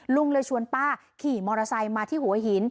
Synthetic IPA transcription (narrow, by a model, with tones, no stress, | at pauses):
lu˧ŋlɤː˧jt͡ɕʰu˧ənpaː˥˩ | kʰiː˨˩mɔː˧ɾa˧sa˧jmaː˧t̪ʰiː˥˩hu˨˩˦ɐɦi˩˦n